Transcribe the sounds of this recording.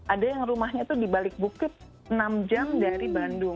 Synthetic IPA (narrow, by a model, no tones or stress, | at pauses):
ʔadajaŋrumahɲat̪udibalɪk̚bukɪt̪̚ | ənamd͡ʒamdaɾibandʊŋ